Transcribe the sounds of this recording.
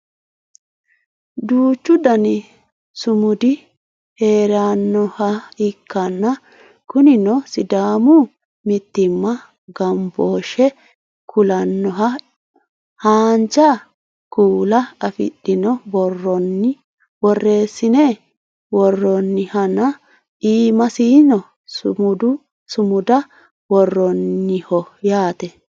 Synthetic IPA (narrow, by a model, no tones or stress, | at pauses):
d̪uːt͡ʃːʊd̪ɐnɪ | sʊmʊd̪ɪ | he̞ːɾaːnːɔhɐɪkːɐnːɐ | kʊnɪnɔsɪd̪aːmʊ | mɪt̪ːɪmːɐ | ɡɐmboːʃɛ | kʰʊlɐnːɔɦɐ | haːnd͡ʒɐ | kuːlɐɐfɪ̰ɗːɪnɔbɔrːɔnːɪ | wɔrːe̞ːsːɪne | wɔrːɔnːɪhɐnɐ | iːmɐsiːnɔ | sʊmʊd̪ʊ | sʊmʊd̪ɐ | wɔrːɔnːɪhɔjaːt̪ɛ